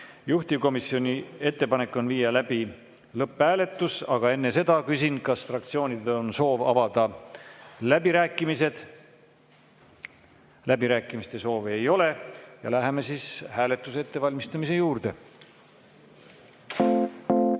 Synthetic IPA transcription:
juht̪iko̞misjo̞nʲie̞t̪ːe̞pɑne̞kːˑo̞nviːjɑlæb̥i | lɤpːˑhæːle̞t̪ːˑusɑɡ̥ɑe̞nːe̞se̞d̪̥ɑkysinkɑsfrɑk̚t̪sio̞ːnʲid̪eonso̞ːvɑ̰vɑd̪̥ɑ | læbiɾæːkːˑimised̪̥ | læbiɾæːkˑːimist̪e̞so̞ːve̞jo̞le̞jɑ̰læɦeme̞sishæːle̞t̪ːˑuse̞t̪ːe̞vɑlʲmist̪ɑmise̞juːɾd̪̥e̞

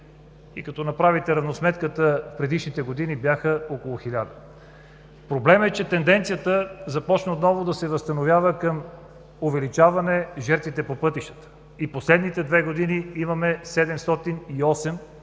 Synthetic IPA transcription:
ḭkɐt̪ɔnɐpɾavit̪ɛɾɐvnosmɛt̪kət̪əfpɾɛd̪iʃnit̪ɛɡod̪inibʲjaxəokolˠʊxilʲad̪ə | pɾoblɛmɛt͡ʃɛt̪ɛnd̪ɛnt̪sijət̪əzɐpɔt͡ʃnəot̪nɔvod̪ɐsɛvəst̪ɐnovʲjavəkəm | ovɛlit͡ʃavɐnɛʒɛɾt̪vit̪ɛpopɤt̪iʃt̪ə̥t̪ə̥ | iposlɛd̪nit̪ɛd̪vɛɡod̪iniimɐmɛsɛd̪ɛmst̪ɔt̪iniɔsɛm

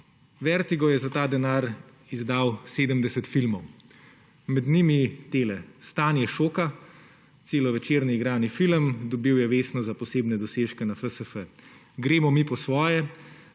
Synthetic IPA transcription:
ʋɛɾt̪iɡɔjɛzat̪aːd̪ɛnaːɾ | izd̪awseːd̪əmd̪ɛsɛt̪filmɔw | mɛd̪nimit̪eːlɛst̪aːnjɛʃoːka | t̪seːlɔʋɛt͡ʃeːɾnɛiɡɾaːnifiləmd̪ɔbiwjɛʋeːsnɔzapɔseːbnɛd̪ɔseːʃkɛnafəsəfə | ɡɾeːmɔmipɔsʋɔːjɛ

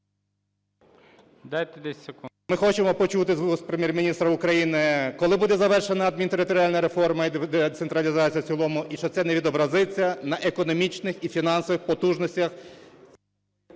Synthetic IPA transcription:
d̪ɑjt̪ɛd̪ɛsʲɐku | mɪxɔt͡ʃemɔpɔt͡ʃut̪ɪzuspɾemʲjermʲinʲist̪ɾɐʊkɾɐjinɪkɔlˠɪbud̪ɛzɐʋɛrʃenɐɐd̪̚mʲint̪eɾɪt̪ɔɾʲɪalʲnɐɾe̞fɔrmɐid̪et̪sent̪ɾɐlʲizɑt͡sʲijɐt͡sʲilˠɔmʊʔiʃt͡ʃɔt̪sɛneʋʲid̪ɔbɾɐzɪt͡sʲːɐnɐʔekɔnɔmʲit͡ʃnɪxifʲinɑnsɔʋɪxpɔt̪uʒnɔsʲtʲɐx

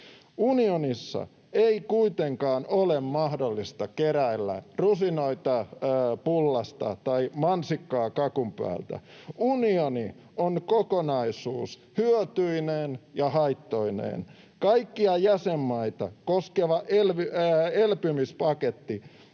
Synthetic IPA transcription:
unionisːɑ̰ | eikuit̪eŋkɑːnolemmɑhdolːist̪ɑkeɾæelːæ̰rusinoit̪ɑpulːɑst̪ɑ̰t̪ɑimɑnsikːɑːkɑkumpæ̰ːlt̪æ̰unioni | onkokonɑisṵːs | hyøt̪yineːnjɑhɑit̪ːo̞inḛːn | kɑikːiɑjæsemːɑit̪ɑkoskeʋɑʔelelpymispɑket̪ːi

